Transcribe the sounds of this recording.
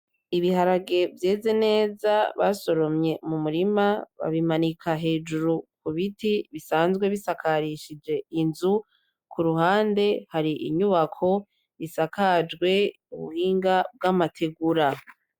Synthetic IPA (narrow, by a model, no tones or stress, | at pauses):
iβiɦaɾaɡe̞vje̞ːze̞ne̞ːzaβa̰so̞ɾo̞mɲe̞mumuɾimaβa̰βimanikʰaɦe̞ːd͡ʒuɾukuβitiβisaːnzɡweβisakʰaɾiʃid͡ʒe̞inzu | kʰuɾuhaːnde̞haɾiʔḭɲuβakʰo̞ | isakad͡ʒɡwe̞ | uβṵhiːŋɡab̚ɡamatʰe̞ɡuɾa